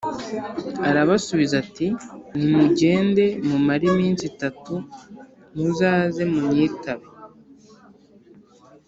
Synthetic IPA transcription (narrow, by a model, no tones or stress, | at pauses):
aɾaβasuβizatinimuɟe̞ːnde̞mumaɾimiːnsitatu | nuzaːze̞mumɲiːtaβe